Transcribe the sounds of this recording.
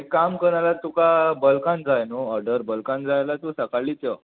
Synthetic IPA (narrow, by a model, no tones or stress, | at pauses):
ekːamkəɾɳalat̪ukabəlkãnd͡zajnoɔɾɖəɾbəlkãnd͡zajlat̪usəkaɭit͡sə